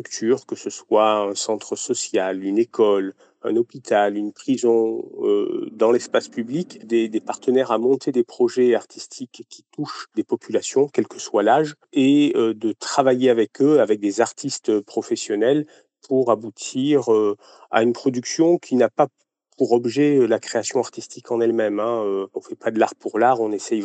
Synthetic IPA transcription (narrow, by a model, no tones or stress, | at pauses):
ykt̪ʰyʁkəsəswaɛ̃sɑ̃t̪χəsɔsjalynekʰɔl | ɛ̰̃nɔpit̪ʰalynpχizɔ̃ø̰d̪ɑ̃lɛspaspyblikd̪ed̪epaʁt̪ənɛʁamɔ̃t̪ed̪epχɔʒɛaʁt̪ist̪ʰikʰʲːit̪uʃd̪epɔpylasjɔ̃kʲɛlkəswalaʒ | eød̪ət̪χavajeavɛkøavɛk̚d̪ezaʁt̪ʰist̪pχɔfɛsjɔnɛl | pʰuʁabut̪ʰiʁø | a̰ynpχɔd̪yksjɔ̃kʲʰinapa | pʰuʁɔbʒɛlakχeasjɔ̃aʁt̪ist̪ikʰɑ̃nɛlmɛmɛ̃øɔ̃fɛpad̪əlaʁpʰuʁlaʁɔ̃nesɛj